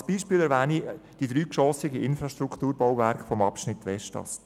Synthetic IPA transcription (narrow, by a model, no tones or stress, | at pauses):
sb̥iːʃpiːlɛɾʋæːnid̥id̥̪ɾyːkʃɔsɪɡəʔɪnfɾɑʃt̪ɾukʰt̪uːɾbɔwvæɾkfɔmɑpʃnɪt̪ːʋɛʃtɑ̰s